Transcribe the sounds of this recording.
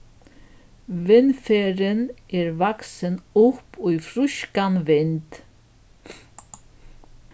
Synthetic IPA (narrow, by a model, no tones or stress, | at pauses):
ʋɪnfeːɾənʔeːɹʋaksənʊpʰujfɾʏʃkanʋɪnt̪